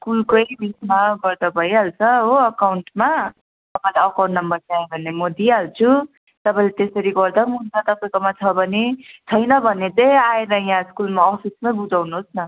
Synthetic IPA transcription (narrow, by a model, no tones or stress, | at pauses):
skulkʌjmismaɡʌrd̪ʌbʱʌjalt͡sʰʌɦoʌkawɳʈma | t̪ʌpãĩlaʌkawnnʌmbʌrt̪aẽbʱʌnːemod̪ialt͡sʰu | t̪ʌpãĩlet̪esʌɾiɡʌrd̪ʌmunt͡sʰʌt̪ʌpajkomat͡sʰʌbʱʌnet͡sʰʌjnʌbʱʌnet͡sʌjaeɾʌjãskulmaʌsusmʌbud͡zawnuɦosnʌ